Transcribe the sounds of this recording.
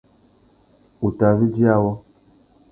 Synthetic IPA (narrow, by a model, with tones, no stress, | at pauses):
u˨ta˨vi˦d͡ʒi˦a˦wɔ˦